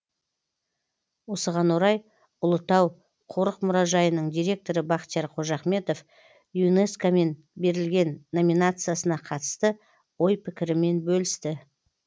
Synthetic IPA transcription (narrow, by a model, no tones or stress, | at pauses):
wo̞səʁɑnwo̞ɾɑj | ʊlˠət̪ɑw | qʰoɾəqmʊɾɑʒɑjənəɴd̪ijɾʲe̞k̚t̪o̞ɾəbɑqt̪jɑɾqʰo̞ʒɑχme̞t̪o̞f | june̞skome̞n | be̞ɾɪlɡʲe̞nːo̞mijnat̪sɨjasənɑqʰɑt̪ə̥st̪ə | wo̞jpʰɪkʲɪɾɪme̞nbɵlɪst̪ɪ